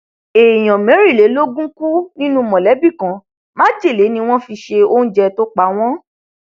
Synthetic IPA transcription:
e˨j̃ɔ̃˨mɛ̃˨˦ɾi˦˨le˨˦lo˦ɡũ˦ku˦nĩ˦nũ˦mɔ̃˨lɛ˨˦bi˦˨kã˨˦ | mãː˦d͡ʒe˦˨le˨˦nĩ˧w̃ɔ̃˦fi˧ʃe˧o˦ñ̩˦d͡ʒɛ˧to˦k͡pa˨˦w̃ɔ̃˦

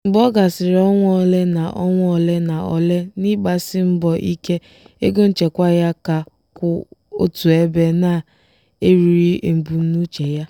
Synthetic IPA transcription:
m̩˨bɔ˦ɡa˨sɪ˨ɾɔ˦ŋʷɔ˦˨le˦na˨ʔɔ˦ŋʷ˦ɔ˨le˦na˨ɔ˨le˦ni˦ɡ͡ba˨sɪ˦m̩˦bɔ˨ʔi˦ke˦ | e˦ɡo˦n̩˦t͡ʃe˨kʷa˦ja˦ka˨ | kʷʊ˨o̰˦tu˨e˦be˦na˨ | e˦ɾi˨ɾi˦ʔe˨m̩˨bu˨n̩˦nu˦t͡ʃe˨ja˦

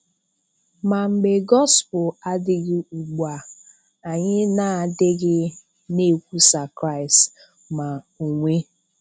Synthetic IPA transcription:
ma˨ŋ͡m̩˨ɡ͡be˨ɡɔ˦spʊ˨a˦dɪ˦ɣɪ˦u˨ɡ͡ba˨ | a˨ɲɪ˦na˨dɪ˦ɡɪ˦ | ne˦˨kʷu˦sa˨kɾa˦ɪ˨st | ma˨ | u˨ŋʷe˦

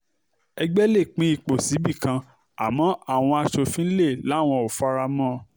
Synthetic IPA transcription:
ɛ˧ɡ͡bɛ˦le˦˨k͡pĩ˦i˧k͡po˨si˨˦bi˦˨kã˧ | a̰˨mɔ̃˨˦a˦˨w̃ɔ̃˧a˧ʃo˧fĩ˦n̩˦le˦˨la˨˦˨w̃ɔ̃˧o˨fa˦ɾa˧mɔ̃ː˦˨

